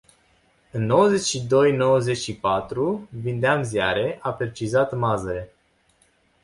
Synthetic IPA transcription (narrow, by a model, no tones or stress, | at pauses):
ɨnːo̞wəze̞t͡ʃʲʃid̪o̞jnowəze̞t͡ʃʲʃipat̪ɾuvind̪eamzja̰ɾe̞ʔape̞t͡ʃizat̪mazəɾe̞